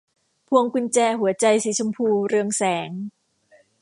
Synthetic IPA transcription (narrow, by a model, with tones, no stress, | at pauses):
pʰu˧əŋku˧nt͡ɕɛː˧ɦu˨˩˦ɐt͡ɕa˧jsiː˨˦t͡ɕʰo˧mpʰuː˧ɾɯ˧əŋsɛː˩˦ŋ